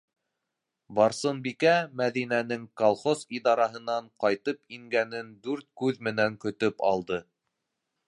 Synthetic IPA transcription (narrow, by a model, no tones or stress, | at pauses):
bɑɾsɤ̆nbikæmæðinænɘŋkolˠχosid̪ɑɾɑɦɤ̆nɑɴqɑjt̪ɤpiŋɡænɘnd̪ʉɾt̪̚kʉðmɘ̆næŋkɵ̆t̪ɵpɑlˠd̪ɤ